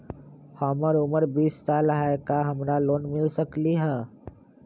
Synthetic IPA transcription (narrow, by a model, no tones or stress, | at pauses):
hɔːməɾʊməɾbiːsːaːlɦaɪkaɦɐmɾaloːnmɪlsəkliɦɛː